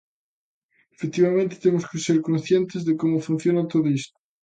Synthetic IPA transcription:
efek̚t̪iβamẽnt̪e̥t̪emoskeseɾkõnsθjent̪ezðekomofun̟θjonat̪oðoist̪o̥

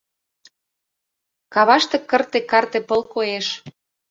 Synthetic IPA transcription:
kɑβɑʃt̪ɤ̆kə̆rt̪ĕkɑrt̪epəlkoeʃ

